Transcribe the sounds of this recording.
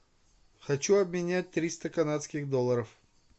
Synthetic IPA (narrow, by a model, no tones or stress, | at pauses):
xɐt͡ɕuɐbmʲɪnʲæt̚ʲt̪ɾʲist̪əkɐnat̪skʲɪxd̪olˠːəɾəf